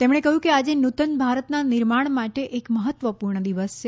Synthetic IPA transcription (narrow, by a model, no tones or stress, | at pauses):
t̪emɳ̃ekəɦjũkead͡ʒenut̪ənbʱaɾət̪naniɾmaɳ̃maʈeʔekməɦət̪ːʋəpuɾɳəd̪iʋəst͡ʃʰe